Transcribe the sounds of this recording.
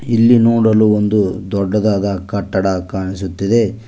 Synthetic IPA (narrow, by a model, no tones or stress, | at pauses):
ilːinoːɽɐluond̪ud̪ɔɖːɐd̪aːd̪ɐkɐʈːɐɽɐkaːɳisut̪ːid̪e̞